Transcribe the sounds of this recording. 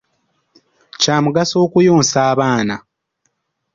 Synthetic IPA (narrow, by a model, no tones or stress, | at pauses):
caːmuɡaso̞ːkujo̞ːnsaːβaːna